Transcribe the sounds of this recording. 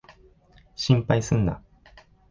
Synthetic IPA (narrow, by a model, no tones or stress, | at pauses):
ɕĩmpaisɨ̃nd̪a̰